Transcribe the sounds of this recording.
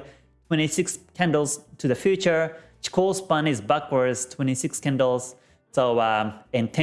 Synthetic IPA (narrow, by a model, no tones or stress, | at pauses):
tʰw̥ɛ̃ɾ̃isɪkskʰæ̃ndl̩ˠz̥tʰɨðɨfjʉt͡ʃə˞t͡ʃi̥kʰɔsbʌ̃nɪzbækwə˞dz̥tʰw̥ɛ̃ɾ̃isɪkskæ̃ndl̩ˠz̥ | soʊɨ̃ntʰɛ̃